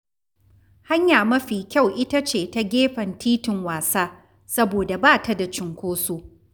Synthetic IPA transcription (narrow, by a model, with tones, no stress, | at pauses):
ha˦ɲjaː˨mɐ˦ɸiː˨kʲa˦˨wʔɪ˦ta˦t͡ʃeː˨ta˦ɡʲeː˦ɸɐ˨ntiː˦tɪ˨ŋwaː˨saː˦ | sɐ˦boː˨da˨baː˦˨ta˦da˨t͡ʃɪ˨ŋkʷoː˦su˦ʔ